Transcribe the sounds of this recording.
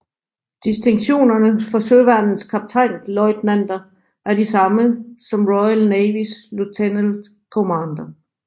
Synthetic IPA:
d̥isd̥e̝ŋɕo̝̰ːnɐnəfɒ̽søʋæɐnn̩skʰɑ̈b̥̚t͡sʰɑ̈ɪ̰nlɒɪd̥nænd̥ɐ | ʔæɐd̥isɑ̈məsɒ̽mʁɔɪælneɪʋislut͡sʰenəld̥ | kʰomɑːnd̥ɐ

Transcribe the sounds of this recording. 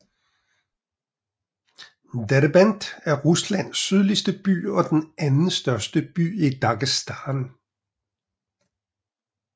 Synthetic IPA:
deɾbænd̥æɐʁuslæn̰sːyðˠlisd̥əb̥y̰ːɒ̽d̥enænn̩sd̥ɶɐsd̥əb̥y̰ːid̥ɑ̈ɡ̥isd̥ɑːn

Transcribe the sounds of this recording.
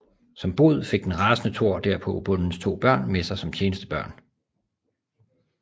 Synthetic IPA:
sɒ̽mb̥o̝ð̞ˠfe̝ɡ̥̚d̥enʁɑ̈ːsnət͡sʰo̝ɐ̰d̥æɐ̰pʰɒ̽b̥ɔ̽nn̩st͡sʰo̝̰ːb̥ɶɐ̰nmesɑ̈ɪsɒ̽mt͡ɕʰe̝ːnəsd̥əb̥ɶɐ̰n

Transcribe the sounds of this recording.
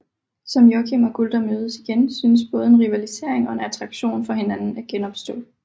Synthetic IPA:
sɒ̽mjɒkʰimæɡ̥uld̥ɐmøːð̞ˠəsiɡ̥ensyːnəsb̥ɔ̽ːð̞̩ˠe̝nʁiʋælise̝̰ɐ̰e̝ŋɒ̽e̝næt͡sʰʁɑ̈ɡ̥ɕo̝̰ːnfɒ̽he̝nænn̩æɐɡ̥enɒ̽b̥sd̥ɔ̰̽

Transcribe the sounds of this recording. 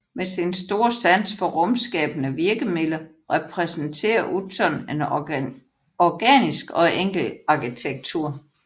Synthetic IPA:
mesinsd̥o̝ːɐ̰sæn̰sfɒ̽ʁɔ̽msɡ̥ɛ̰ːb̥nəʋiɐɡ̥əmelɐ | ʁɛpʰʁɛsənt͡sʰe̝̰ːɐʔut͡sʰɒnen | ɒɡ̥ɛ̰nisɡ̥ɒ̽ʔeŋ̰ɡ̥l̩ɑ̈kʰit͡sʰeɡ̥̚t͡sʰuɐ̰

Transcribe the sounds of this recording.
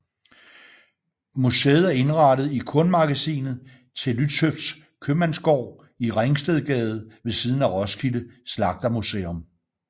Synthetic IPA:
museːð̩ˠæɐe̝nʁɑ̈ɾ̥əð̩ˠikʰɔ̽nmɑ̈ɡ̥æsḭːnð̩ˠ | t͡sʰe̝lyd̥søfd̥s | kʰømænsɡ̥ɒʊ̰ | iʁeŋsd̥eðˠɡ̥ɛːð̞̩ˠʋe̝siːð̞ˠn̩æʁɒ̽skʰiləslɑ̈ɡ̥̚d̥ɐmusḛːɔ̽m

